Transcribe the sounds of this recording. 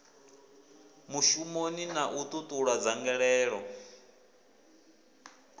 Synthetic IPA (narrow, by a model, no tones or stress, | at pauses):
muʃumoninaʔut̪ʼut̪ʼuɺad͡zaŋɡɛɺɛːɺɔ